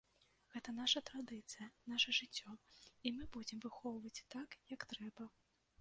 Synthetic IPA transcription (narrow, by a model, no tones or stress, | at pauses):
ɣɛt̪ɐn̪aʂɐt̪ɾad̪ɨt̪sɨjɐnaʂɐʐɨt͡sʲːɔimɨbud͡zʲɛmvɨxɔwvɐt͡sʲt̪akjɐkt̪ɾɛbɐ